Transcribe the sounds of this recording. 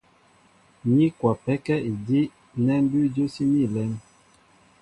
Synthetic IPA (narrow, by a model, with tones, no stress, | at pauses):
ɲi˦kwa˨pɛ˦kɛ˦i˨di˦ | nɛ˦n˦by˦d͡ʒo˦si˦ni˦˨lɛ˨˦n